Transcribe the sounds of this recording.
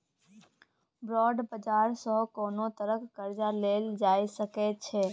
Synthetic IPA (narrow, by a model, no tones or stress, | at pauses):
bɾɔːɖbəd͡ʒaːɾsɔɦkoːnot̪əɾəkɡəɾd͡ʒaleːld͡ʒaːisəkɛt͡ʃʰɛː